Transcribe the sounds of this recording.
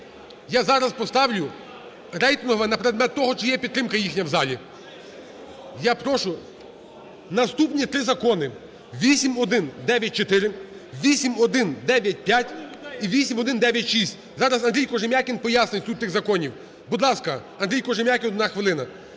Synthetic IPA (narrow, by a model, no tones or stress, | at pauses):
jazɑɾɐzpɔst̪ɑwlʲʊ | ɾɛjt̪ɪnɦɔʋɛnɐpeɾed̪mɛt̪ːɔɦɔt͡ʃɪjɛpʲid̪t̪ɾɪmkɐjixnʲɐwzɑlʲi | japɾɔʃʊ | nɐst̪upnʲit̪ɾɪzɐkɔnɪ | ʋʲisʲimɔd̪ɪnd̪ɛʋʲjɐt̚ʲt͡ʃɔt̪ɪɾɪ | ʋʲisʲimɔd̪ɪnd̪ɛʋʲjɐt̚ʲpʲjatʲiʋʲisʲimɔd̪ɪnd̪ɛʋʲjɐtʲʃisʲtʲ | zɑɾɐzɐnɾʲijkɔʒɪmʲjakʲinpɔjasnɪjʲst̪ut̪̚ʲːɪɣzɐkɔnʲiw | bud̪lˠɑskɐɐnd̪ɾʲijkɔʒɪmʲjakʲinnaxʋɪlˠɪnɐ